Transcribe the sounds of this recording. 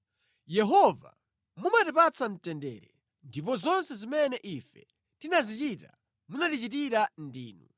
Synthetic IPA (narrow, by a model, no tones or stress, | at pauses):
jɛɦɔva̰ | mumatipat͡sam̩tɛndɛ̰ːɾɛ | ndipɔzɔnsɛzimɛnɛʔifɛ | tinazit͡ʃita̰ | munatit͡ʃitiɾandiːnu